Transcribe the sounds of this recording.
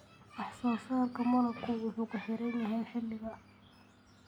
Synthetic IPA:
ʔɑħsaːsaːŋkʰɐmɐlɐlkʰʊwʊħʊːkʰʊħɪɾɛjnɐɦɛːnħɪlːɪɣɐ

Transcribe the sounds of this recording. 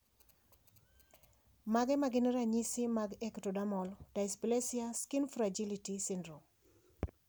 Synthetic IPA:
maɡɛmaɡɪnɾaɲisɪmaɡɛktodamɔld̥ajsplesiaskinfɾad͡ʒilitisɪndɾum

